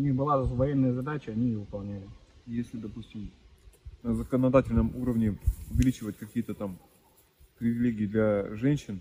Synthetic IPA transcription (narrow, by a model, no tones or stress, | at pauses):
ʊnʲixbɨlˠavɐjenːəjəzɐd̪at͡ɕəɐnʲijovɨpɐlˠnʲælʲɪjesʲlʲɪd̪ɐpusʲtʲɪm | nəzəkənɐd̪atʲɪlʲnəmuɾəvnʲɪʊvʲɪlʲit͡ɕɪvətʲkɐkʲijət̪ət̪am | pɾʲɪvʲɪlʲeɡʲɪːd̪lʲaʐɛnʲɕːɪn